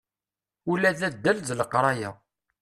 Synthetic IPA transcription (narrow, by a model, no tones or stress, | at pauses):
ulːæðæd̪ːælðləqɾˤɑjæ̰